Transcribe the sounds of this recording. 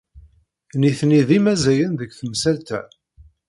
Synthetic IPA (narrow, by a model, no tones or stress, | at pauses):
niθniðimæzæjənðəkθəmsælt̪æ̰